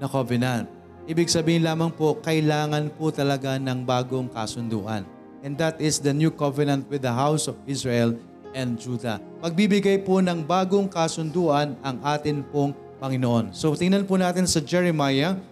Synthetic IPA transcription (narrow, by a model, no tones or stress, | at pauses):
nɐkovɛnɐnt̪̚ | ʔiːbɪɡsɐbiːhɪnlaːmɐŋpokɐʔɪlaːŋɐnpʊt̪ɐlɐɡanɐŋbaːɡoŋkɐsʊnd̪ṵːʔɐ̰n | ʔɛnd̪ɐt̪ɪsd̪ɐnjukovɛnɐnt̪̚wɪdðɐɦawsɔvɪsɹɛɛl | ʔɛnd̪̚d͡ʒuːd̪ɐ̰ | pɐɡ̚bibɪɡajponɐŋbaːɡoŋkɐsʊnd̪uːʔɐnɐŋʔaːt̪ɪnpoŋ | pɐŋɪnoʔo̞nsot̪ɪŋnɐnpʊnaːt̪ɪnsɐd͡ʒɛɹɛmajɐ